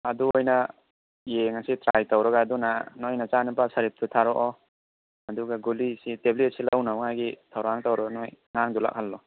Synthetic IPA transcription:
ɐduojna | jeŋasitɾajtawɾaɡaːdunanojnat͡ʃanɯpasaɾip̚tʰutʰaɾɔʔɔ | ɐduɡaɡulisiteblit̚silawnawŋajɡitʰawɾaŋtawɾaɡanojŋaŋdula̰k̚halːɔ

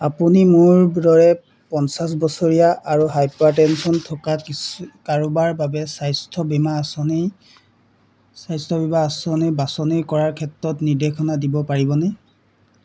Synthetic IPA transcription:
apunimʊɹbdɔɹɛ | pɔnsas̬bɔsɔɹijaʔaɹuɦajpatɛnsɔntʰɔkakikaɹubaɹbabɛsajstʰɔbimasɔni | sajstʰɔbibaːsɔnibasɔnikɔɹaɹkʰɛtɹɔtniɹdekʰɔnadibɔpaɹibɔnɛ

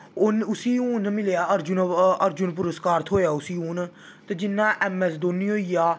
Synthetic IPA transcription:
ʊnʊsiːũːnmɪljaːəɾd͡ʒʊnəɾd͡ʒʊnp̬ʊɾəskaːɾt̪ʰɦoːjaːʊsiːũːn | t̪ed͡ʒɪnːãːʔɛːmɛːsd̪oːniːɦoːiːjaː

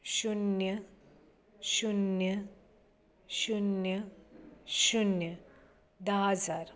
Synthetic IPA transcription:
ɕunjə | ɕunjə | ɕunjə | ɕunjə | d̪aad͡zaɾ

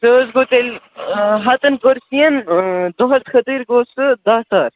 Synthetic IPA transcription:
soːzɡot̪el | ɦɐt̪ɐnkoɾsijɐnd̪oɦɐt̪xʰɐt̪iɾɡoːsɨd̪aːsaːɾ

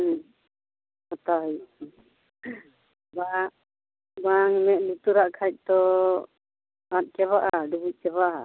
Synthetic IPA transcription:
ɔt̪aɦɔj | ba | baŋmɛʔ̪̚nit̪uɾaʔkʰac̚ˀt̪ɔ | at̪̚ˀkɛβaʔaɖubuc̚ˀkɛβaʔa

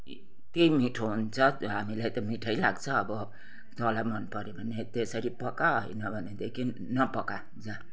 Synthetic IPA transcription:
t̪eimiʈʰoɦunt͡sʰʌɦamilajt̪ʌmiʈʰʌjlaɡt͡sʰʌːbʌ | t̪olajmʌnpʌɾebʱʌnet̪esʌɾipʌkaɦojnʌbʱʌned̪ekʰi | nʌpʌka | d͡za

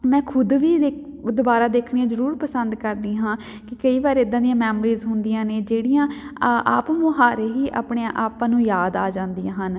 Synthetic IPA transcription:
mɛ̃ːkʰʊd̪ʋiːd̪ed̪obaːɾaːd̪eːkʰɳeãːzəɾuːɾpəsənd̪kəɾd̪iːɦãː | kɪkəiːʋaːɾeːɪd̪ːãːd̪ijãːmɛːmɾiːzɦʊnd̪ijãːneːd͡ʒeːɽijãːʔa̰ːpmõːɦaːɾeːɦiːʔa̰ːpɳeãʔaːpãːnũːjaːd̪a̰ːd͡ʒãːnd̪ijãːɦən

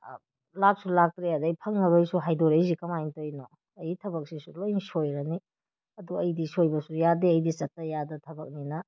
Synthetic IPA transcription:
lak̚sulak̚tɾeadjpʰɐŋnɐɾojsuɦajdoɾejzikɐmajntojno | ɐjitʰɐbɐk̚sisulojnsojɾɐni | ɐduɐjdisojbɐsujadeɐjdisɐtːɐjadɐtʰɐbɐk̚ninɐ

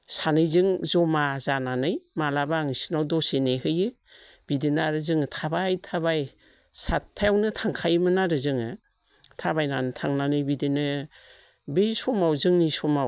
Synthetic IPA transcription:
sanɯjzɯŋzɔmazananɯjmalabaŋisinawdɔseneɦɯjɯ | b̥idinaɾɯzɯŋɯtʰabajtʰaβaj | saajawnɯtʰaŋkʰajmɯnaɾɯzɯŋɯ | tʰabajnanɯtʰaŋnanɯjbidinɯ | bejsɔmawzɯŋnisɔmaw

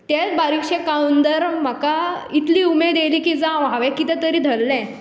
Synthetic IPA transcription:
t̪et͡sbaɾikɕẽkaund̪əɾm̤əkait̪liːumed̪eliːkid͡zãʋɦaʋɛ̃kit̪ɛ̃t̪əɾiːd̪ʱəlːɛ̃

